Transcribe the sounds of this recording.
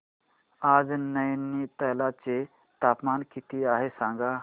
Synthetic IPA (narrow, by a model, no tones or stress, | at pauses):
aːd͡znəjnːit̪əɦlat͡ʃe | t̪aːpmaːnkit̪iaːɦesãŋɡa